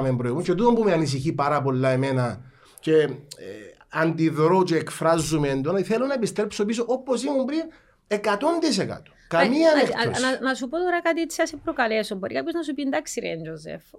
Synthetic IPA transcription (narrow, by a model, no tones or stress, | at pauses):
membɾoiɣmust͡ʃet̪uðombumeɐnis̬içipɐɾɐp̬o̞lːɐemenɐ | ce | ɐnd̪iðɾot͡ʃeːkfɾɐzːumend̪ont̪iθelːonɐepist̪ɾepsopisoʔoposimumpɾin | ekɐt̪o̞nd̪is̬ekɐ̰t̪o̥kɐmiɐnenɐsupot̪oɾɐkɐt̪isiɐsepɾokɐlesomboɾikapçoznɐsupind̪aksiɾḛnd͡ʒozḛf